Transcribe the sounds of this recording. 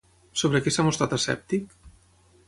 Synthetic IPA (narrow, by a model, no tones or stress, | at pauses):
soβɾekesamost̪ɾat̪asɛ̰p̚t̪ik